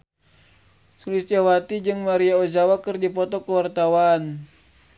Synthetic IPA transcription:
sulist̪jawat̪id͡ʒɨŋmaɾiaozawakɨrdipɔt̪ɔkəwart̪awan

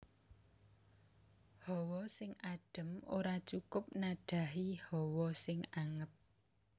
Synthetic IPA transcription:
hɔwɔsɪŋaɖ̥ə̤moɾat͡ʃukʊp̚naɖ̥a̤ɦihɔwɔsɪŋaŋət̪̚

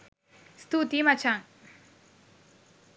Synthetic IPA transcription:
st̪ut̪imat͡ʃʰaŋ

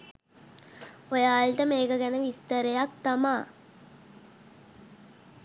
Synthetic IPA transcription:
ojaːlʈəmeːkəɡænəʋist̪əɾejak̚t̪amaː

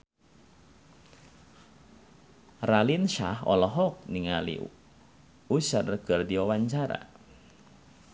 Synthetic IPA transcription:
ralinʃa̰hɔ̰lɔɦɔk̚niŋalḭ | usarrɡ̥ərdiɔwaɲt͡ʃaɾa̰

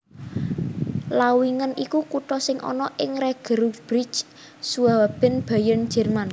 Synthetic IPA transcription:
lawiŋənikukuʈɔsɪŋʔɔ̰nɔʔɪŋreɡ̥ə̤ɾub̥ɾit͡ʃ | suawab̥ɛ̤nb̥a̤jən̥d͡ʒ̥ɛ̤rman

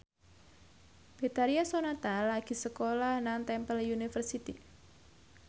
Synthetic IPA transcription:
b̥e̤t̪aɾiasonat̪alaɡ̥i̤səkolahnaŋt̪ɛmpəlunifərsit̪i

